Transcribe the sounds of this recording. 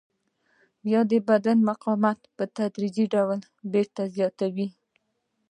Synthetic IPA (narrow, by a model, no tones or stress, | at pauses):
bjɑd̪əbad̪anmaqɑmat̪pət̪ad̪ɾid͡ʒiɖawl | beɾt̪azjɑt̪awi